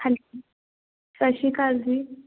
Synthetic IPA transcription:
al | saʃikʼazi

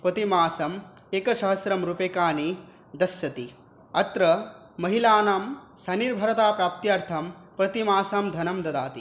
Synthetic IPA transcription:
pɐt̪imaːsɐm | eːkɐʃɐɦɐsɾɐmɾupekaːni | d̪ɐsjɐt̪i | ɐt̪ɾɐ | mɐɦilaːnɐmsɐniɾbʱɐɾɐt̪aːpɾaːp̚t̪jɐɾt̪ʰɐmpɾɐt̪imaːsamd̪ʱɐnɐmd̪ɐd̪aːt̪i

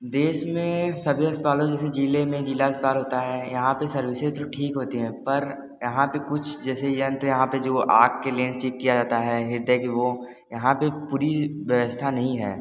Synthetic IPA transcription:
d̪eːʃmẽsɐbʱiɐspaːlõd͡ʒɛːsed͡ʒiːlemẽd͡ʒiːlaəspaːlɦoːt̪aɦɛːjɐɦãpesɐɾʋiset̪oʈʰiːkɦoːt̪iɦɛ̃ːpɐɾ | jɐɦãpekʊt͡ʃʰd͡ʒɛːsejɐ̃nt̪jɐɦãped͡ʒoːʔa̰ːk̚kelẽːnt͡ʃikkːijad͡ʒaːt̪aɦɛɦɪɾd̪ʱekiʋo | jɐɦãpepuːɾiʋjəʋəst̪ʰanɐɦĩɦɛ̰ː

